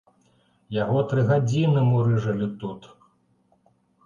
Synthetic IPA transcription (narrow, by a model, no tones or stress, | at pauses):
jaɣɔt̪ɾɨɣad͡zʲinɨmuɾɨʐɐlʲit̪ut̪